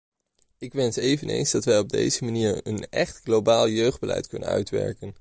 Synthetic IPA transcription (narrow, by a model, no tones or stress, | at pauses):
ɪkʋɛnsejvənḛjnzdɑtʋɛjɔb̚dejzəmaniːɹənɛχtχlobaːlˠjøɥχd̚bəlɛ̰jtkɵnə̰nœ̰ɥtʋɛ̰ɹkən